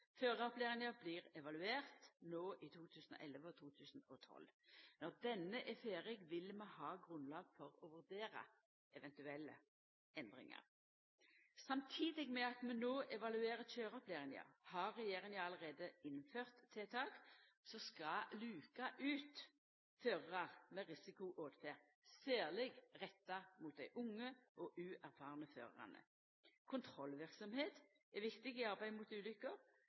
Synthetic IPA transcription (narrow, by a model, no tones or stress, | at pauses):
føːʁəɔpleːʁɪŋəbliːʁɛʋɑlʉeːʁt̪noːʔit̪ʰuːt̪ʰʉːsnɔ̰ʔɛləʋəɔt̪ʰuːt̪ʰʉːsənɔt̪ʰɔ̰lːnɔʁd̪ɛnːəʔɛfeːʁɪɡʋɪlmɛhɑːɡʁʉnlɑːɡfɔʁɔʋʉʁd̪eːʁɑ̰ | ʔɛʋɛnt̪ʉɛlːə̰ | ʔɛnd̪ʁɪ̰ŋə̰ʁ | sɑmt̪ʰiːd̪ɪɡmɛɑt̪mɛnoːʔɛʋɑlʉeːʁət͡ʃøːʁəɔpleːʁɪŋə̰hɑɾːɛjeːʁɪŋɑɑləʁeːd̪əɪnføːʁt̪ʰːeːt̪ʰɑːksɔskɑlʉːkɑʔʉːt̪ | føːʁəʁɑʁmɛʁɪsɪkʊʔoːd̪feːʁ | sæːʁlɪɡʁɛt̪ːɑmuːt̪̚d̪æɪʔʊŋːəʔɔʔʉːæɾfɑːʁnəfø̰ːʁə̰ʁɑ̰nə̰ | kʰʊnt̪ʰɾɔlʋɪʁksɔmheːt̪ | ɛʋɪkt̪ɪɡɪɑʁbæɪmuːt̪ʉːlʏkːəʁ